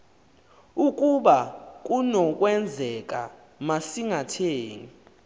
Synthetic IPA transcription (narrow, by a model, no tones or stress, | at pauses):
ukʼuɓak̬ʼunɔk̬ʼwɛnd͡zʱɛk̬ʼa̰ | masiŋatʰeːŋi